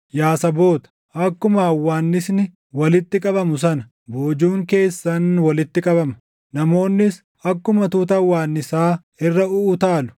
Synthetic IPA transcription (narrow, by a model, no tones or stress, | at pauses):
jaːsɐbo̞ːt̪ɐ̥ | ʔɐkːʊmɐːwːaːnːɪsnɪ | wɐlɪt̪ːɪkʼɐbɐmʊsɐnɐ̥ | bo̞ːd͡ʒuːŋke̞ːsːɐnwɐlɪt̪ːɪkʼɐbɐmɐ̥ | nɐmo̞ːnːɪs | ɐkːʊmɐt̪uːt̪ɐwːaːnːɪsaː | ɪrːɐʊːt̪aːlʊ̥